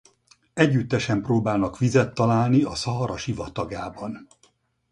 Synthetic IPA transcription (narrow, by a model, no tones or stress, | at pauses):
ɛɟːyt̪ːɛʃɛmproːbaːlnɒkʋizɛt̪ːɒlaːlniɒsɒɦɒɾɒʃivɒt̪ɒɡaːbɒn